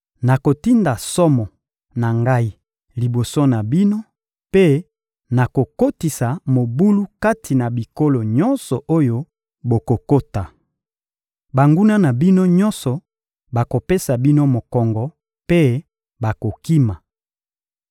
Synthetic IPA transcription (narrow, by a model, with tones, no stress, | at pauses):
na˨ko˨ti˦nda˨sɔ˦mɔ˨ | na˨ŋɡa˦i˦ | li˨bo˨so˦na˨bi˦no˦ | pe˦ | na˨ko˨ko˦ti˨sa˨mo˨bu˦lu˦ka˦tʰi˨na˨bi˨ko˦lo˨ɲɔ˦nsɔ˨ʔo˦jo˦ | bo˨ko˨ko˦ta˨ | ba˨ŋɡu˦na˦na˨bi˦no˦ɲɔ̃˦nsɔ˨ | ba˨ko˨pe˦sa˨bi˦no˦mo˨kɔ˨ŋɡɔ˨ | pe˦ | ba˨ko˨ki˦ma˨